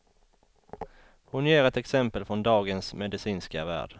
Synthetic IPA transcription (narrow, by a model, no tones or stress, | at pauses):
hʊnjeːɾɛt̪ɛksɛmpəlfɾɔnd̪ɑːɡənsmɛd̪ɪsiːnska̰væ̰ːɖ̥